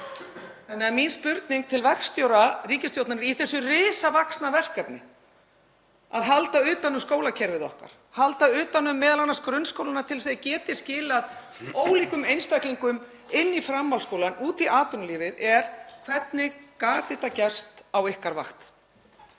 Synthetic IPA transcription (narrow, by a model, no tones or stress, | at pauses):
θanːɪaminspʏɾt̪niŋk̚t̪ʰɪlvɛkst̪jowɾariːcɪst̪jowt̪nanɪɾiθɛsːʏrɪːsavaksnavɛr̥kapnɪ | aðɦalt̪aʏːt̪anʏmskoːwlacʰɛɾvɪðɔhka̰ɾ̥ | halt̪aʏːt̪anʏmːɛːðalanːaskɾʏnskowlanat̪ʰɪls̬eðcɛːt̪ɪ̥scɪːlað | oːwliːkʏmejnst̪ajkliŋkʏm | ɪnːifɾamːalskoːwlanuːt̪iʔaːt̪ʏnliːvɪðɛɾ̥kʰv̥ɛt̪nɪkaːt̪ɪt̪acɛ̥st̪awɪhkaɾva̰xt̪